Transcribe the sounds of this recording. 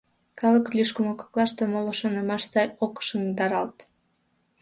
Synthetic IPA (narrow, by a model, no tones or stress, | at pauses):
kɑləklʲyʃkəmoko̥klˠɑʃt̪omolŏʃonəmɑʃsɑjokʃəmd̪ɑɾɑlt̪